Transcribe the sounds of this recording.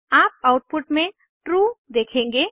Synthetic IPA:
aːp̚aʊʈ̚pʊʈmẽ | ʈɾud̪eːkʰẽːŋɡeː

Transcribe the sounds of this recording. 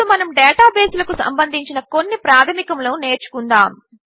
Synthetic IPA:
umɐnɐmɖɛːʈaːbeːsulɐkusɐ̰mbɐnd̪ʱiɲt͡ʃinɐko̞nːipɾaːt̪ʰɐmikɐmloːne̞ːɾt͡ʃu̥kund̪aːm

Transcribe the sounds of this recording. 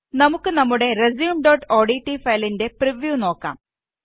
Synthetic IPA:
nɐmukːɨnɐmːuɽe̞rezjuːmɖoːʈːoːɽiʈːifɐjlinde̞priʋjuːno̞ːkːa̰ːm

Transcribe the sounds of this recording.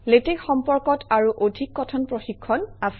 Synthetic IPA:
letekxɔmpɔɹkɔtʰaɹuʔodʱikːɔtʰɔnpɹoxikʰːɔnas

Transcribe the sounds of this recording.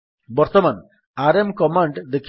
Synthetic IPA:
bɔɾt̪ɔman | aɾemkɔmaɳɖd̪ekʰ

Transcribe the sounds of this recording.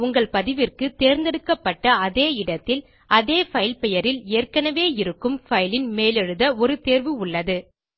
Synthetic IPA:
ʊŋɡɐɭpɐðɪʋɪrkɯt̪eːɾnd̪ɛɽɯkːɐpːɐʈːɐɐðeːɪɽɐt̪ːɪl | ʔɐðeːfɐɪɪlpɛjɐɾɪleːrkɐnɐʋeːɪɾɯkːɯmfɐɪlɪnmeːlɛɻɯðɐɔɾɯt̪eːɾʋɯʊɭːɐðɯ

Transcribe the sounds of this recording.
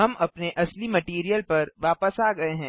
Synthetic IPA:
ɦɐmɐpneʔɐslimɐʈiːɾijəlpɐɾʋaːpəsaːɡɐeɦɛ̃ː

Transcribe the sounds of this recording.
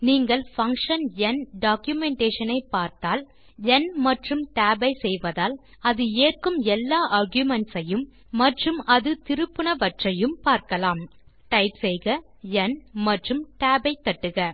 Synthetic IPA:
niːŋɡɐɭfɐŋkʂɐnɛnɖaːkjʊmɛɳʈeːʂɐnɐɪpːaːɾt̪aːl | ɛnmɐʈrɯmʈaːbɐɪsɛjʋɐðaːl | ɐðɯeːrkɯmɛlːaːʔɐɾɡjʊmɛɳʈsɐjɯmː | ɐʈrɯmɐðɯt̪ɪɾɯpːɯɳɐʋɐʈrɐjɯmpaːɾkɐlaːm | ʈɐɪpsɛjɣɐ | ɛnmɐʈrɯmʈaːbɐɪt̪ːɐʈːɯɣɐ

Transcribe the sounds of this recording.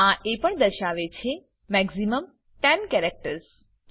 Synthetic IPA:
ãʔepəɳd̪əɾʃaʋet͡ʃʰe | mɛɡziməm | ʈɛnkɛɾɛk̚ʈəɾs

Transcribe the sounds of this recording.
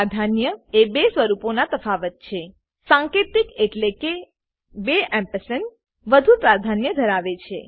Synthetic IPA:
ad̪ʱanjəebesʋəɾuponat̪əfaʋət̪̚t͡ʃʰe | sãŋket̪ikeʈleke | beɛ̃mpəsən | ʋəd̪ʱupɾad̪ʱanjəd̪ʱəɾaʋet͡ʃʰe

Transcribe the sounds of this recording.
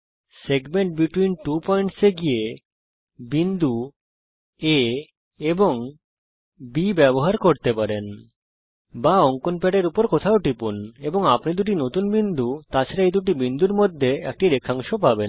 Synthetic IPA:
seɡmeɳʈ̚biʈwinʈupɔjɳʈseɡije | bind̪ʱu | e | eboŋ | bibɛboɦaɾkoɾt̪epaɾen | baɔŋkonpɛʈeɾupoɾkot̪ʰaoʈipuneboŋapnid̪uʈ̬inot̪unbind̪ʱut̪at͡ɕʰaɾaejd̪uʈ̬ibind̪uɾmod̪ʱːeɛk̚ʈiɾekʰːaŋʃopaben

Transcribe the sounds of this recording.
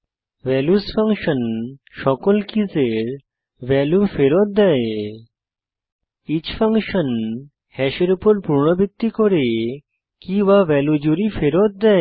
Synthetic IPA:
ʋɛljusfaŋkʃənʃɔkɔlkid͡zeɾ | ʋɛljufeɾɔt̪̚d̪ae | it͡ɕfaŋkʃən | hɛɕeɾupɔɾpuɾɳəbʱit̪ːikɔɾe | kĩʋaʋɛlud͡ʑuɾifeɾɔt̪̚d̪ɛ

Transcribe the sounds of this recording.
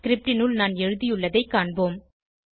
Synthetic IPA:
kɪɾɪp̚ʈɪnʊlnaːnɛɻɯðɪjɯɭːɐðɐɪkːaːɳboːm

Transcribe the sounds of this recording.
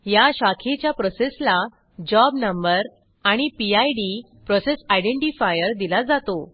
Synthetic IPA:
jaɕakʰet͡ɕjapɾɔsesla | d͡ʑɔbnəmbəɾ | aɽ̃ipiajɖi | pɾɔsesajɖeɳʈifajəɾd̪ilad͡zat̪o

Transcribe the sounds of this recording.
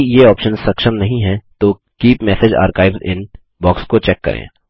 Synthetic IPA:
jeɔːpʃənzsɐkʃəmnɐɦĩɦɛ̃t̪oː | kiːpmɛːsed͡ʒa̰ːɾkaːɪbzɪ̰n | bɔːkskot͡ʃɛːkːɐ̰ɾḛ̃ː

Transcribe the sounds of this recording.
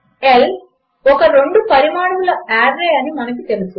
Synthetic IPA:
el | ɔkːɐɾe̞ɳɖupɐɾimaːɽɐʋulɐaːɾːeːɐnimɐnɐk̬ʲːit̪e̞lisːu

